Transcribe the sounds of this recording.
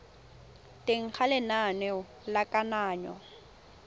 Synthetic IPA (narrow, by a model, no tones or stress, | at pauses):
teŋ̩k͡xʰalɪnanɛ | lakanaːɲɔ̰